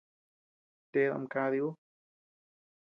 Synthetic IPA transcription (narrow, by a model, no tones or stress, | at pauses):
t̪eða̰mkaðiu